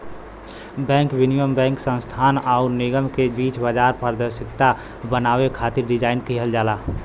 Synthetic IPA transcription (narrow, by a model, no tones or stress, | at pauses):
bɛ̃ːŋkbɪnijəmbɛ̃ːŋksə̃nst̪ʰaːnaʊɾnɪɡəmkebiːt͡ʃbəd͡ʒaːɾpəɾd̪əɾʃɪkt̪a | bənaːwekʰaːt̪ɪɾɖɪd͡ʒaːɪnkiɦəld͡ʒaːlaː